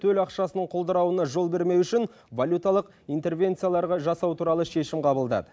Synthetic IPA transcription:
t̪ʰɵlɑqʃɑsənəɴqʰolˠd̪əɾɑwənɑʒo̞lˠbe̞ɾme̞wʏʃɪn | valʲjut̪alˠəq | ijnt̪e̞rvʲe̞nt̪sɨjalˠɑɾʁɑʒɑsɑwt̪ʰuɾɑlˠəʃe̞ʃɪmqʰɑbəlˠd̪ɑ̰d̪ə

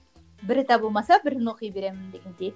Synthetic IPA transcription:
bɪɾɪt̪ʰɑbolˠmɑsɑbɪɾɪnwoqɨjbe̞ɾe̞mɪnd̪e̞ɡʲe̞nd̪e

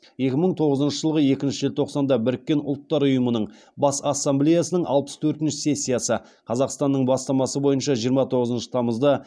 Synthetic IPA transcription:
je̞kʲɪməɴt̪ʰo̞ʁəzənʃəʒəlˠʁəje̞kʲɪnʃɪʒelt̪ʰo̞qsɑnd̪ɑbɪɾɪkʲːe̞nʊlˠt̪ːɑɾʊjəmənəɴ | bɑsɑsːɑmblʲe̞jasənəɴʔɑ̰lˠpə̥st̪ʰɵɾt̪ɪnʃɪse̞sʲːijasə | qʰɑzɑqst̪ɑnːəɴbɑst̪ɑmɑsəbo̞jənʃɑʒijəɾmɑt̪ʰo̞ʁəzənʃə̥t̪ʰɑməzd̪ə

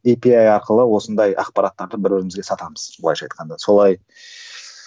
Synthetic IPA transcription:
ipiajɑɾqəlˠəwo̞sənd̪ɑjɑ̰qpɑɾɑt̪ːɑɾd̪əbɪɾbɪɾɪmɪzɡʲe̞sɑt̪ɑməz̥bəlˠɑjʃɑjt̪qɑnd̪ɑso̞lˠɑj

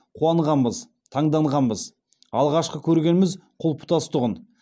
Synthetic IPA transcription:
qʰuɑɴʁɑnbəz | t̪ʰɑɴd̪ɑɴʁɑnbəz | ɑlˠʁɑʃqəkʲʰɵɾɡʲe̞nmɪzqʰʊlˠpʰʊ̥t̪ɑst̪ʊʁən

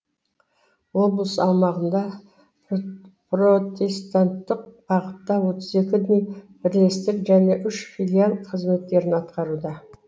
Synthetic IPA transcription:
wo̞blˠəsɑlˠmɑʁənd̪ɑ | prot̪e̞st̪ant̪ːəqb̥ɑʁət̪ːɑwo̞t̪ʰəze̞kʲɪd̪ejbɪɾle̞st̪ɪkʒæne̞ʔʏʃfilʲialˠqʰəzme̞t̪ːe̞ɾɪnɑt̪qɑɾud̪ɑ

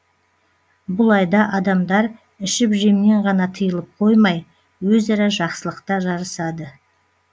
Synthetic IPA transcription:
bʊlˠɑjd̪ɑʔɑd̪ɑmd̪ɑɾ | ɪʃɪpʒemne̞ɴʁɑnɑt̪ʰəjəlˠəp̚qʰo̞jmɑj | wɵzɑɾɑʒɑqsəlˠəqt̪ɑʒɑɾəsɑd̪ə

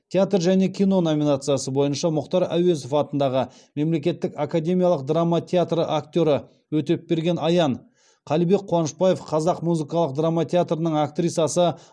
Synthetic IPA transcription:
t̪ʲʰeat̪rʒæne̞kʲʰijno̞no̞mʲinat̪sɨjasəbo̞jənʃɑmʊqt̪ɑɾæ̰we̞zofɑt̪ənd̪ɑʁə | me̞mle̞kʲe̞t̪ːɪkakad̪ʲe̞mʲijaɑlˠəq̚d̪ramːat̪ʲʰeat̪rəʔakt̪ʲo̞ɾə | wɵt̪e̞p̚be̞ɾɡʲe̞nɑjɑɴ | qʰɑlijbe̞k̚qʰowɑnəʃpɑje̞fqʰɑzɑqmuzɨkɑlˠəq̚d̪ramːat̪ʲʰeat̪rənəɴakt̪rʲijt̪sɑsə

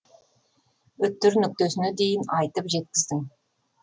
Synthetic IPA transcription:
ɵt̪ːʏɾnʏk̚t̪esɪned̪e̞jɪnɑjt̪əpʒe̞t̪̚kʲɪzd̪ɪŋ

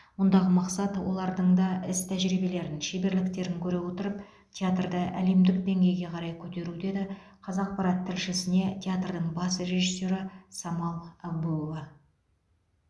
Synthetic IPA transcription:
mʊnd̪ɑʁəmɑqsɑt̪wo̞̰lˠɑɾd̪əɴd̪ɑɪst̪ʰæʒɾijbe̞le̞ɾɪnʃebe̞ɾlɪkt̪e̞ɾɪŋkʲʰɵɾe̞wo̞t̪əɾəp | t̪ʲʰeat̪rd̪əʔæle̞md̪ɪkd̪e̞ŋɡʲe̞jɡʲe̞qʰɑɾɑjkʲʰɵt̪e̞ɾud̪e̞d̪ɪ | qʰɑzɑq̚pɑɾɑt̪ʰːɪlʃɪsɪne̞t̪ʲʰeat̪rd̪əɴbɑsre̞ʒisːo̞ɾəsɑmɑlˠɑbuvɑ

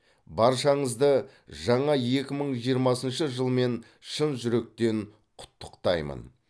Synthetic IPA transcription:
bɑɾʃɑɴəzd̪ə | ʒɑɴɑje̞kʲɪməɴʒijəɾmɑsənʃəʒəlˠme̞n | ʃənʒʏɾe̞k̚t̪e̞n | qʰʊ̥t̪ːə̥qt̪ɑjmə̰n

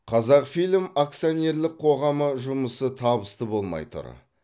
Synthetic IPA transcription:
qʰɑzɑqfijlʲmak̚t̪sijonʲe̞ɾlɪk̚qʰo̞ʁɑməʒʊməsət̪ʰɑbəst̪əbo̞lˠmɑ̰jt̪ʊ̰ɾ

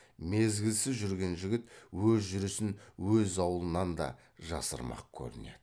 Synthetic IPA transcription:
me̞zɡʲɪlsɪzʒʏɾɡʲe̞nʒɪɡʲɪt̪wɵzʒʏɾɪsɪnwɵzɑwəlˠənɑnd̪ɑ̰ | ʒɑsə̰ɾmɑ̰q̚kʲʰɵ̰ɾɪne̞̰d̪̥ɪ

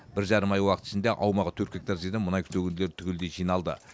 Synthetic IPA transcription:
bɪɾʒɑɾəmɑjwɑqət̪ɪ̥ʃɪnd̪eʔɑwmɑʁət̪ʰɵɾkʲek̚t̪aɾzid̪ɪmʊnɑjkʰʏnɵɡʲɪnd̪eleɾɪt̪ʰʏɡʲeld̪eʒijnɑlˠd̪ə̰

